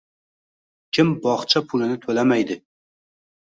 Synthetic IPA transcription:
kʲʰɪmbɒχt͡ʃʰapʰʊlɪnɪt̪ʰɵlamajd̪ɪ

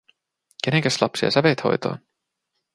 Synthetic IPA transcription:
ke̞neŋkæslɑpsiɑ̰sæʋejt̪ho̞̰jt̪o̰ːn

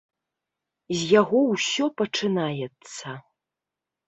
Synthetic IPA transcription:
zjaɣɔwsɔpɐʈ͡ʂʰɨnajɛt͡sʰːɐ

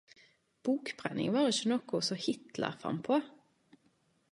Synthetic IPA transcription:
b̥uːkbʁɛnɪ̰ŋʋɑːʁɪçənɔkʊsɔhɪt̪lə̰ʁfʁɑ̰mpʰoː

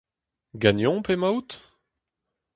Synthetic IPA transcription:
ɡanjɔ̃pemawt̪

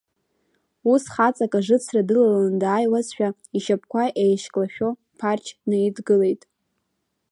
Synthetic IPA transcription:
usχat͡sʼakʼaʐɨt͡sʰradɨlalandaːjwazʃᶣa | iʃap̚ʰkʷaʔejʃkʼlaʃᶣo̞ | pʰart͡ʃʰnɨidɡɨle̞jtʼ

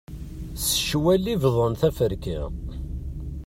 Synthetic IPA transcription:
sə̥ʃwælːivðˤənθæfəɾkḭʁ

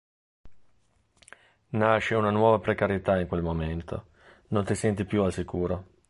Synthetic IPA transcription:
naʃːeunanwɔːvapɾekaɾjet̪aiŋkwelmoment̪o̰ | nont̪isɛnt̪ipjualsikuːɾo

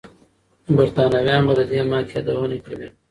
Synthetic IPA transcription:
baɾt̪ɑːnawjɑːnbad̪əd̪emɑːkʰead̪awənekɐwi

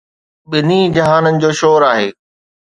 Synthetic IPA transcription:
ɓɪnid͡ʑɐɦaːnənɪ̆d͡ʑoːʃoːɾaːɦeː

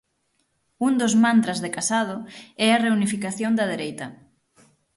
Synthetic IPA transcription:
und̪ozmãnt̪ɾazðekasað̞ʊɛɐreunifikaθjond̪ɐð̞eɾejt̪ɐ

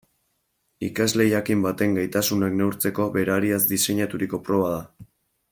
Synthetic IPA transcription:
ikazle̞jakimbat̪e̞ŋɡajt̪asunakne̞wɾt͡se̞ko̞βe̞ɾaɾiazd̪ise̞ɲat̪uɾiko̞pɾo̞β̞að̞a

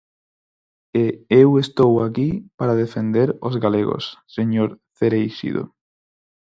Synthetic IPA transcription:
eewest̪owakipaɾað̞efend̪eɾozɣaleɣo̰sːeɲoɾθeɾejʃḭðo̰

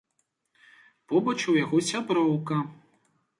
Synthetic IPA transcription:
pɔbɐt͡ʃwjaɣɔsʲabɾɔwkɐ

